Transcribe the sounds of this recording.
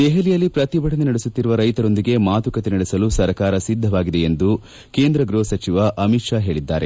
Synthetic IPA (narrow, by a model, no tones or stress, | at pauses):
d̪eɦelijɐlːipɾɐt̪ibʱɐʈɐnenɐɽesut̪ːiɾuʋɐɾɐjt̪ɐɾo̞nd̪iɡe̞maːt̪ukɐt̪enɐɽesɐlusɐɾkaːɾɐsid̪ʱːɐʋaːɡid̪e̞end̪u | ke̞ːnd̪ɾɐɡɾoːɐsɐt͡ʃiʋɐʔɐmiʈʂaːɦe̞ːɭid̪ːa̰ːɾe̞